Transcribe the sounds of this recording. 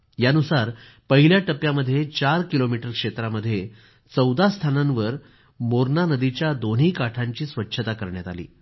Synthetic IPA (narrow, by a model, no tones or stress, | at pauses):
janusaɾ | pəɦiljaʈəpjaməd̪ʱːjet͡ɕaɾkilomiʈəɾkʂet̪ɾaməd̪ʱːje | t͡səwd̪ʱast̪ʰanãnʋəɾ | moɾnanəd̪it͡ɕjad̪on̤ɦiːkaʈʰaɲt͡ɕiːsʋətːɕʰət̪akəɾɳjat̪alḭː